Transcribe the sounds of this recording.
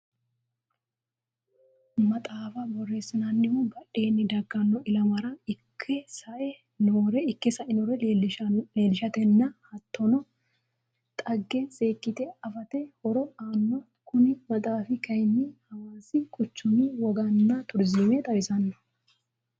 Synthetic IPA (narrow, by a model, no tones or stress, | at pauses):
mɐt̪ʼaːfɐbɔrːe̞ːsɐnɐnːɪmʊbɐʔe̞ːnːɪd̪ɐɡːɐnːɔʔɪlɐmɐɾɐɪkʰːɛsɐʔɛ | noɾɛɪkːɛsɐʔɪnɔɾɛ | le̞ːlɪʃɐt̪ɛnːɐhɐt̪ːɔnɔ | t̪ʼɐɡːɛsʼe̞ːkʼːɪt̪ɛɐfɐt̪ɛhɔɾɔaːnːɔ | kʊnɪmɐt̪ʼaːfɪkɐjmːɪhɐwaːsɪkʼʊt͡ʃːʊmiwɔɡɐnːɐt̪ʊɾzɪmɛt̪ʼɐwɪsɐnːɐ